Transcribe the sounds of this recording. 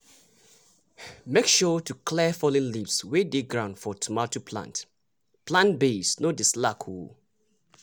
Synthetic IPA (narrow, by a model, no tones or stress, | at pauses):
mekʃɔtʰukʰlɛfɔlɪ̃nlivswedeɡɹãʊ̃ndfɔtʰumatopʰlã̰nt | pʰlãnbesnodɪslakʰu